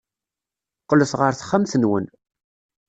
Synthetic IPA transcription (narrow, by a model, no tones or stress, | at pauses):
qːləθʁəɾθχːæmθənwə̰n